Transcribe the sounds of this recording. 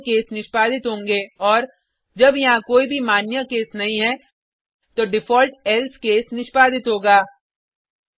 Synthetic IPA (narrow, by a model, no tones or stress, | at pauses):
keːsnɪʃpaːd̪ɪt̪ɦõːŋɡeːɔːɾ | d͡ʒɐbjɐɦãkoːibʱimaːnjəkeːsnɐɦĩɦɛ | t̪oɖɪfɔːlʈɛlskeːsnɪʃpaːd̪ɪt̪ɦoːɡaː